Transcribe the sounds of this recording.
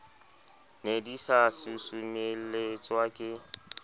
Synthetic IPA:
nedisasusumelet͡sʼwakʼɪ

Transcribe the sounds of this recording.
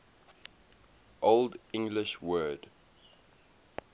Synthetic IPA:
ʔoldɪ̃ŋɡlɪʃwɜːd

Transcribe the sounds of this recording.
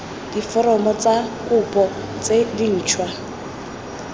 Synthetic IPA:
d̥ifɔɾɔmɔt͡sakʼʊpʼɔ | t͡sedin̩ːt͡ʃʰwa

